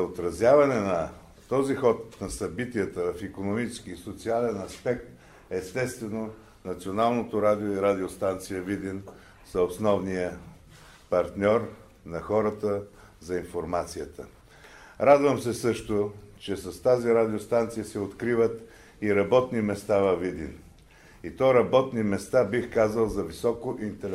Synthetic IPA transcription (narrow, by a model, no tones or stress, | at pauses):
ot̪ɾɐzjavɐnɛnɐ | t̪ɔzixɔt̪nɐsɐbit̪ijət̪əvɐfikonomit͡ʃɛ̥skiːsot̪sialɛnɐspɛk̚t̪ | ɛst̪ɛst̪vɛno | nɐt̪sionalˠnot̪oɾad̪ioiɾad̪iost̪ant̪sijəvid̪in | sɐosnɔvnijə | pɐɾt̪nʲɔɾ | nɐxɔɾət̪ə | zɐinfoɾmat̪sijət̪ə̰ | ɾad̪vəmsɛsɤʃt̪ot͡ʃɛsɐst̪aziɾad̪ʲiost̪ant̪sijəsɛot̪kɾivət̪ | iɾɐbɔt̪nimɛst̪avɐvid̪ḭn | it̪ɔɾɐbɔt̪nimɛst̪abixkazəlˠzɐvisɔkoʔint̪ɛl